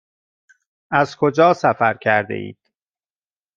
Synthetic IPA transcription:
ʔæzkʰo̞d͡ʒɒːsæfæɾkʰæɾd̪ḛḭːd̪̥

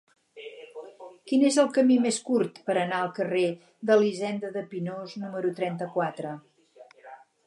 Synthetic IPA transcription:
kinezəlˠkəmimeskurt̪pəɾənaəlˠkəre | ðəlizɛnd̪əðəpinoznuməɾut̪ɾɛnt̪əkwat̪ɾə

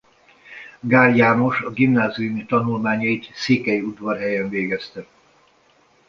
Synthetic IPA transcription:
ɡaːljaːno̞ʃɒɡimnaːziumit̪ɒnulmaːɲɒit̪seːkɛjiud̪ʋɒrɦɛjɛɱveːɡɛst̪ɛ

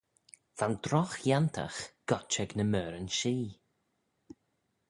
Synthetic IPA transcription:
v̥andɾɔxjantʰa̰xɡ̥ɔt͡ʃɛɡnəmœːɾənʃiː

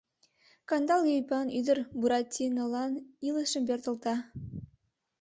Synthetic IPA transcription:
kɑnd̪ɑlˠɡojpɑnyd̪əɾbuɾɑt̪ʲʰːinolˠɑnilˠəʃəmbʲert̪ɤ̆lˠt̪ɑ

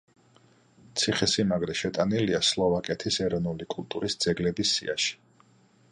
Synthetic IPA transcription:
t̪sʰiχɛsimaɡɾɛʃɛt̪ʼaniliaslˠɔvakʼɛt̪ʰisɛɾɔnulikʼulˠt̪ʼuɾisd̪z̥ɛɡlɛbisːḭa̰ʃi̥

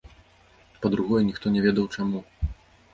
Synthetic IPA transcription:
pɐd̪ɾuɣɔjɛnʲixt̪ɔnʲɛvʲɛd̪ɐwt͡ʂamu

